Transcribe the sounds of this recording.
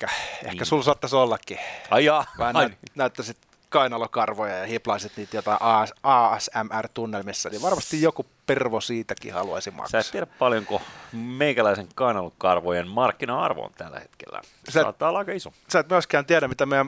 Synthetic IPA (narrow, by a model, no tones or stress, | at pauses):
kæḛhkæsulsoɑt̪ːɑsolːɑkːiɑijɑːʋɑhænynæyt̪ːæsit̪ | kɑinɑlokɑrʋojɑjɑhiplɑˑisit̪niːt̪jot̪ɑiʔɑːæsæmʔært̪unːelmisːæniʋʋɑrmɑst̪ijjokuperʋosiːt̪ækḭhɑ̰luɑ̰sim̰ksæːtstɑiæɾæppɑljoŋkomeikælæiseŋkɑinɑlokɑrʋojenmɑrkːinɑɑrʋo̰nt̪ælːæ̰het̪kḛlːæ̰ | sæˑɑ̰ːt̪ːɑːolːɑikɑiso | sæːt̪mioˑiskæːnt̪iæɾæmit̪æmeæm